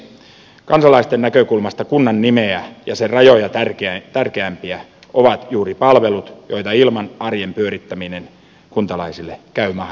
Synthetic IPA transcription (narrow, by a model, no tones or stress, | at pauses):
kɑnsɑlɑist̪enːækø̞kulmɑst̪ɑkunːɑnːimeæjɑserɑjo̞jɑrkt̪ærkeæmpiæ | ʔo̞ʋɑt̪juːɾipɑlʋe̞lut̪jo̞it̪ɑilmɑnɑrjempyø̞ɾit̪ːæminen | kunt̪ɑlɑisilːekæymɑh